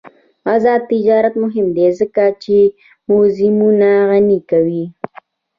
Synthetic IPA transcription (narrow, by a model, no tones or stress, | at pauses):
azɑd̪̚t̪ɪd͡ʒɑɾat̪mʊɦɪmd̪ezəkat͡ʃe | mʊzɪmunaɣanikawi